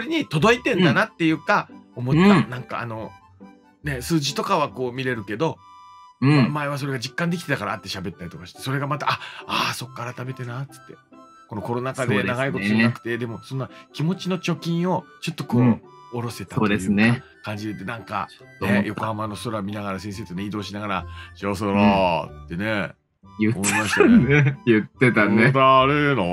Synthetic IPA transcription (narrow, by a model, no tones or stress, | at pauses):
soɾʲeɲ̟it̪o̞d̪o̞it̪ẽnd̪anat̪ːe̞jɯ̟ːkaomo̞t̪ːanãŋka̰a̰no̞ | ne̞sɨːʑit̪o̞kaβ̞ako̞ːmʲiɾe̞ɾɯ̟ke̞d̪õ̞ | maeβ̞as̬o̞ɾe̞ɡad͡ʑikːãnd̪e̞kʲit̪e̞t̪akaɾaːt̪ːe̞ɕabe̞t̪ːaɾʲit̪o̞kaɕi̥t̪e̞so̞ɾe̞ɡamat̪aʔaaso̞kːaːɾat̪ame̞t̪e̞nat͡sɨ̥t̪ːe̞ | ko̞no̞ko̞ɾo̞nakad̪enaɡaiko̞tonakɯ̟̥t̪e̞d̪e̞mo̞so̞noakʲimo̞t͡ɕino̞t͡ɕo̞kʲĩɰ̃o̞t͡ɕo̞t̪ːo̞koː | ɾo̞se̞t̪ḁoːeɯːna | kãɲ̟d͡ʑid̪et̪enãŋka̰nejo̞kohamano̞so̞ɾamʲinaɣaɾasẽs̬e̞ːt̪oneid̪o̞ːɕ̬inaɡaɾaɕios̬oɾot̪ːe̞ne | jɯomoimaɕi̥t̪aejɯt̪ːet̪anet̪aɾeno